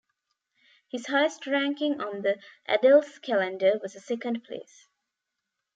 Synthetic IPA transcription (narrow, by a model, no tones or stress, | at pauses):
hɪz̥haɪəsʈɹæ̃ŋkɪ̃ŋɔ̃nd̪əʔæ̰dəlskʰælə̃ndəʋɔzəsɛkə̃nɖ̚pʰlḛːs